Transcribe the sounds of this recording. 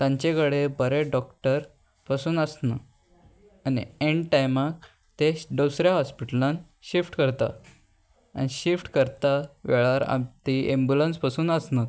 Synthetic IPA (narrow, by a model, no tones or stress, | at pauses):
t̪jãɲt͡ɕekəɽebəɾeɖɔkʈəɾ | pasuːnəsna | anḭẽɳʈajmak̚ | t̪eɖosɾjaɦɔspiʈəlãn | ɕifʈkəɾt̪a̰ | a̰niɕifʈkəɾt̪aʋḛɭaɾa̰mt̪iembjulənspasuːnəsnat̪